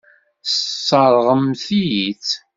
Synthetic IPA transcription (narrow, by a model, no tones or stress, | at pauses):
sːɑɾˤʁəmθijit͡s